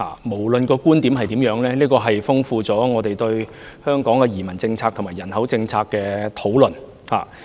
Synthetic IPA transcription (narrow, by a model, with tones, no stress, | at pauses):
ha̰ː˨mo˨˩wlɵ˨nkɔː˧kuː˥nt̪iː˨˥mhɐ˨jt̪iː˨˥mjœː˨˥ŋlɛː˥liː˥kɔː˧ɦɐ˨jfʊ˥ŋfuː˧t͡sɔː˨˥ŋɔː˨˧t̪e˨jt̪ɵ˧ɥ | hœː˥ŋkɔː˨˥ŋkɛ˧jiː˨˩mɐ˨˩nt͡sɪ˧ŋt͡sʰaː˧k̚t̪ʰʊ˨˩maː˨˩jɐ˨˩nhɐ˨˥wt͡sɪ˧ŋt͡sʰaː˧kːɛː˧t̪ʰo˨˥wlɵ˨˩n | ha̰ː˨˩